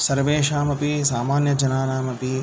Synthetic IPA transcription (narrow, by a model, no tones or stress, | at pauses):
sɐɾʋeːʃaːmɐpisaːmaːnjɐd͡ʒɐnaːnaːmɐpi